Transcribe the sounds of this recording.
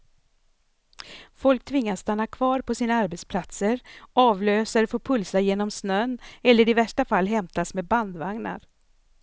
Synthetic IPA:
fɔlk̚t̪ʰvɪŋːasst̪anːakʰvɑːɾpʰɔsiːnaaɾbɛt̪spʰlat̪səɾɑːvløːsaɾəfoːpʰɵlsajeːnɔmsnœnːɛlːəɾɪvæʂʈafalːɦɛmt̪asmeːd̪̚band̪vaŋna̰ɾ

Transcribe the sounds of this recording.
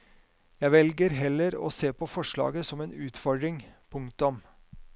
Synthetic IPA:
jæɪʋɛlɡəɾɦɛlːəɾo̰ːseːpʰɔfɔʂɭɑ̰ːɡəsɔmeːnʉːt̪fɔɖɾɪŋpʰʊŋkt̪ʊm

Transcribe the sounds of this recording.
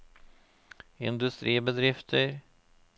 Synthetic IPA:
ɪ̰nd̪ɵst̪ɾiːbɛd̪ɾɪft̪ʰəɾ

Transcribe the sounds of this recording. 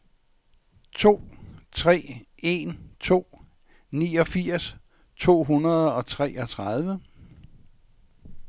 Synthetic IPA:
t͡sʰo̝̰ːt͡sʰʁɛ̰ː | e̝nt͡sʰo̝̰ː | nḭːɒ̽fiɐ̰s | t͡sʰo̝̰ːɦunɐð̞ˠɒ̽t͡sʰʁɛɒ̽t͡sʰʁɑð̞ˠʋə

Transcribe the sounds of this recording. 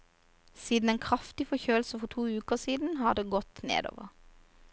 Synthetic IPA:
siːd̪n̩eːnkʰʁɑft̪ɪfɔçøːlsəfɔt̪ʰuːʉːkəʁsiːd̪n̩hɑːd̪eːɡɔt̪nḛːd̪o̰ːʋəʁ

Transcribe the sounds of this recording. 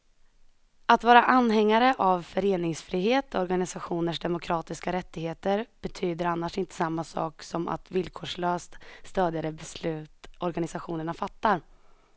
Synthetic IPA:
at̪vɑːɾaʔanːɦɛŋːaɾəʔavfœɾeːnɪŋsfɾiːɦeːt̪ɔɾɡanɪsaɧuːnəʂd̪ɛmʊkʰɾɑːt̪ɪskaɾɛt̪ːɪheːt̪əɾb̥ɛt̪ʰyːd̪əɾanːaʂɪnt̪ə̥samːasɑ̰ːksɔmʔa̰t̪vɪlkʰoːʂɭøːst̪st̪øːd̪jad̪əbɛslʉ̟ːt̪ɔɾɡanɪsaɧuːnəɳafat̪ːaɾ

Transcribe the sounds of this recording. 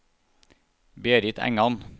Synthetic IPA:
beːɾɪt̪ʰæ̰ŋɑn

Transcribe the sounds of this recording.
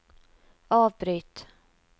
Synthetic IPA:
ɑːvbɾyːt̪

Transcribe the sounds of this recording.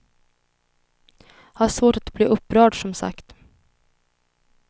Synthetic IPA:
haʂvoːʈat̪bliːʔɵpːɾœːɖʂɔmsa̰kt̪

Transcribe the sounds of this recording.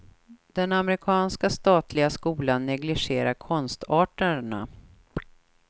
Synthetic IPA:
d̪̥ɛnamɛɾɪkʰɑːnskast̪ɑːt̪lɪɡaskuːlanːɛɡlɪɧeːɾaɾkʰɔnst̪ɑːʈəɳa̰

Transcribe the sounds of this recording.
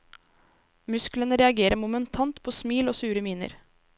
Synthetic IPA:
mʉsklənəɾɛɑɡeːɾəɾmʊmənt̪ʰɑnt̪pʰoːsmiːloːsʉːɾəmiːnə̰ɾ

